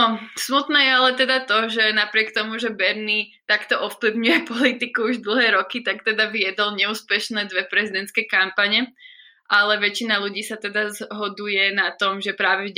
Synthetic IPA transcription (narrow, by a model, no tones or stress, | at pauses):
ɔsmut̪nɛːjɛalɛt̪ɛd̪at̪ɔʒɛnapɾɪɛkt̪ɔmuʒɛbɛɾnit̪akt̪ɔʔɔfpliʊɲujɛpɔlit̪ikuuʒd̪l̩ˠɦɛːɾɔkit̪akt̪ɛd̪aʋiɛd̪ɔlɲɛuːspɛʃnɛːd̪ʋɛpɾɛzid̪ɛnt̪skɛjkampaɲɛ | ʔalɛʋɛt͡ʃinaluɟiːsat̪ɛd̪azɦɔd̪ujɛnat̪ɔmʒɛpɾaːʋɛv